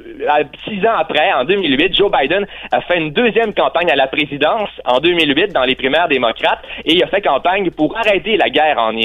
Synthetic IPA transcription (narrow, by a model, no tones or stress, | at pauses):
asizɑ̃apʁɛɑ̃d̪ømilɥɪt̪̚ʒobajd̪ɛnafɛynd̪øzjɛmkɑ̃paɲalapʁezid̪ɑ̃sɑ̰̃d̪ømilɥɪt̪̚d̪ɑ̃lepʁimɛːʁd̪emɔkʁat̪eiafɛkɑ̃paɲpuʁaʁɛt̪elaɡʲɛːʁɑ̰̃n